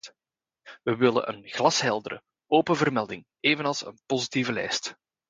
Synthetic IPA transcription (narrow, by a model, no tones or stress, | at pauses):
ʋəʋɪlə̰nʔə̰nɣlɑsɦɛlˠdəɾə̰ | oːpənvərmɛlˠdɪŋ | eːvənɑlˠsə̰npozitivəlɛ̰jst